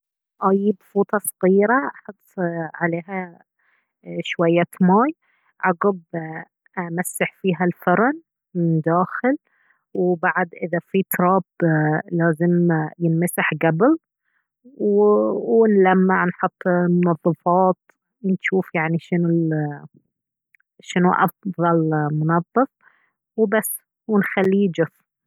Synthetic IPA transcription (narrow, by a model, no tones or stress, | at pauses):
ʔajːɪbfuːt̪ˤɑsˤɑɣiːɾaʔɑħʊt̪ˤːʕaleːɦa | ʃwajːaːt̪maːj | ʕɑɡɑb | ʔamasːaħfiːɦalfɑɾˤɑn | mɪnd̪aːxɪl | wbaʕad̪ʔɪðafit̪ɾˤɑːblaːzɪmjɪnmasaħɡabɪl | wwɪnlamːaʕnħʊt̪ˤːmʊnɑðˤːɑfɑːt̪ | nʃuːfjaʕniʃɪnu | ʃɪnṵʔɑfðˤɑlmʊnɑðˤːɨf | wbasː | wɪnxalːid͡ʒʊf